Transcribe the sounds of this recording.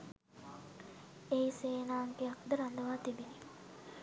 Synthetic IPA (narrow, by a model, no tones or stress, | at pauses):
eiseːnaːŋkeakd̪əɾand̪əʋaːt̪ibini